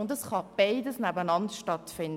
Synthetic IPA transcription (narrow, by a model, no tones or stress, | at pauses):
ʊndəsχɑb̥aɪdəsnæbənɑntʃtɑtfɪnd